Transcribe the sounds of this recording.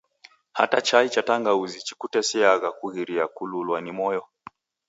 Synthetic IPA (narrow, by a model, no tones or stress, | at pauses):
ha̰tat͡ʃait͡ʃataŋɡauzit͡ʃi̥kutɛsiaɣakuɣiɾiakululwanimɔjɔ